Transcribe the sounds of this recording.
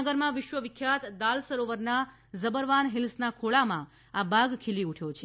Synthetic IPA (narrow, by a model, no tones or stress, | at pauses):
əɡəɾmãʋɪʃʋəʋɪkʰːjat̪d̪alsəɾoʋəɾna | zəbəɾʋanɦilsnakʰoɭamã | abʱaɡkʰiliuʈʰjot͡ʃʰe